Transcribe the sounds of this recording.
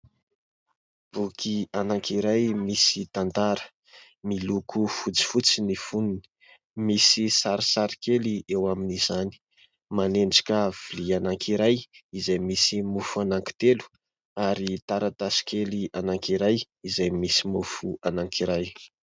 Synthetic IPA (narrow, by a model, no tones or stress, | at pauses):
b̥ukʰianaŋkiɾajmisit̪and̪aɾə̥ | milukʰufut͡si̥fut͡sinifununi̥ | misisaɾisaɾikeliewaminizani̥ | maneɳɖ͡ʐḁkav̥ilianaŋkiɾajizajmisimufuanaŋki̥t̪elu̥ | aɾit̪aɾat̪asi̥kelianaŋkiɾaj | izajmisimufuanaŋkiɾaj